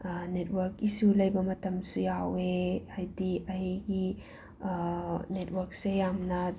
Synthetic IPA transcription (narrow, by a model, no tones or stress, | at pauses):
net̚wɐɾkisulɐjbɐmɐtɐmsujaweajdiɐɦiɡi | net̚wɐɾk̚sejamnɐ